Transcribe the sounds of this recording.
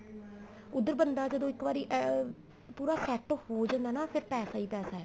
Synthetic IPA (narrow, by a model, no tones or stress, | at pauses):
ʊd̪ːəɾbənd̪aːd͡ʒəd̪õːɪkbaːɾiːʔ | puːɾaːsɛːʈhoːd͡ʒãːnd̪aːnaːpʰɪɾpɛːsaːiːpɛːsaːɛː